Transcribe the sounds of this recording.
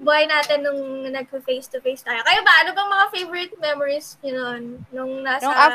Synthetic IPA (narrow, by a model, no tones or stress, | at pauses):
bʊɦajnaːt̪ɪnːʊŋnɐɡ̚fɪfejst̪ʊfejst̪ajokɐjabɐʔɐnobɐŋmɐŋafejvɔɾɪt̪̚mɛmoɹisɡɐnonːʊŋnaːsɐ